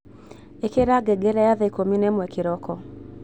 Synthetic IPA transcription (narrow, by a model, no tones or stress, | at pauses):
ekeɾaɡɛɡɛɾɛjaðɛikominɛmwɛkɪɾɔkɔ